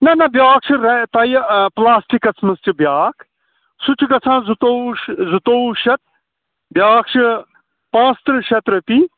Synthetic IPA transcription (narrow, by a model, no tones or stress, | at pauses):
nɐnɐbjaːk̚t͡ʃʰiɾɐt̪aːjplaːsʈikɐsmɐst͡ʃibjaːk | sʊt͡ʃʰikɐt͡sʰãːzut̪ozut̪oːuʃɐt̪̚ | bjaːk̚t͡ʃʰi | pãːst̪ɾɨʃɐt̪ɾɐpiː